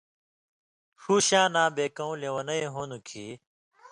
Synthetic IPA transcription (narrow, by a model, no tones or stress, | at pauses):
huːɕãːnãːbeːkɐ̃ũlewɐnɐeɦoːnukʰiː